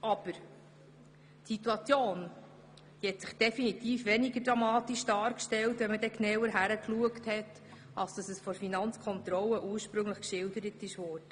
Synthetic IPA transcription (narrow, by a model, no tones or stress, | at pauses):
ɑb̥əɾ | tsituɑt͡sjoːn | d̥ihɛtsɪχd̥ɛfinit̪iːfʋɛniɡəd̥ɾɑmɑːt̪iʃd̥ɑːɾkʃtɛltʋɛmədɛknɛwəɾɦæɾəkluəkthɛt | ɑlsd̥ɑsəsfɔɾfinɑnt͡skʰɔnt̪ɾɔlːəʔuːɾʃpɾɵŋləχkʃɪldəɾətɪʃʋɔːɾd̥ə